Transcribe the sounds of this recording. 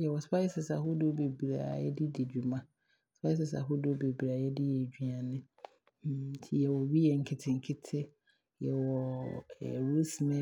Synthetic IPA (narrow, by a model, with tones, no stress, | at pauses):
jɛ˨wɔ˨spʰa˦ɪ˦sɪ˨sa˨ɦʊ˦dʊ˦o˦be˨bi˨ɾa̰˨jɛ̰˦dɪ˦dɪ˨d͡ʑᶣu˨mã˦ | spʰa˦ɪ˦s̬ɪ˨sa̰˨ɦʊ˦dɪ˦o˦be˨bɾa˨˦jɛ˦dɪ˦jɛ˨d͡ʑᶣi˨a˨nɪ̃˦ | tʰi˨jɛ˨wɔ˨ɥi˦jɛ˨ŋ̩˨kʰɪ˦tʰɪ˨ŋ̩˨kʰɪ˦tʰɪ˦ | jɛ˨wɔ˨ɛ̰˨ɾu˦si˨mɛ̃˦